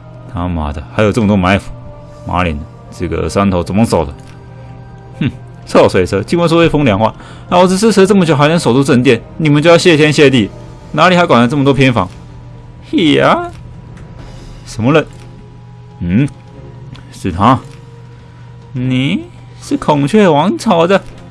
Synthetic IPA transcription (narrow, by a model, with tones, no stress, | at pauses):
t̪ʰa˥ma̰˨˩d̪ə˧xa˧˥ɪjʊʈ͡ʂə˥˩mə˩t̪wɔ˧ma˧˥ɪfu̥˨˥ | ma̰˧˥ljɛ̰˧˥nd̪ə˧ | t͡sɤ˥˩ɡə̰˨˩sa˥nt̪ʰo˧˥t͡sə˨˩mə˧˥so˨˩ʊd̪ə˦˥˩ | sɑ˥˩ʊswe˨˩ɪt͡sʰə˧˥t͡ɕi˥ŋwnswɔ˥we˥˩fʊ˥ŋljɑ˨˩ŋxwa̰˥˧ | na˧˥wɔ˧˩t͡sɻ̩˧˥ʂɻ̩ʰ˥˧˩ə˥˦ʈ͡ʂə˥˩mə˩t͡ɕjo˧˩xa˧˥ɪnə˧˥ŋso˨˩ʊt̪u˥˧ʈ͡ʂə˥˧nt̪jɛ˥˩n | ni˨˩mə˧nt͡ɕjo˥˧jɑ˥˧ʊɕjɛ˥˧˩t͡ɕ̬ʰjɛ˥nɕjɛ˥˧t̪i˥˩ | na˧˥li˨˩ha˥kwa˨˩n˧˥ʈ͡ʂm˩t̪wɔ˥pʰjɛ˥nfɑ˧˥˦ŋ | i˥˩a˧˩ | ʂə˧˥nmə˧lə˨˩n | n̩˥˩ | ʂɻ̩˨˩t̪ʰa˥ | ni˨˩ | ʂɻ̩˥˩kʰʊ˨˩ŋt͡ɕʰɥɛ˥˩wɑ˧˥ŋt͡sʰɑ˨˩ʊd̪ə˧